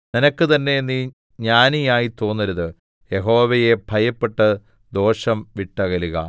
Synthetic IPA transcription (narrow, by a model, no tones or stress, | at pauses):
ninɐkːɨt̪ɐnːe̞niː | ɲaːnijaːjit̪o̞ːnːɐɾuðɨ | jeɦo̞ːʋɐjebʱɐjɐpːe̞ʈːɐ | d̪o̞ːʂɐmʋiʈːɐɣɐliɣɐ̰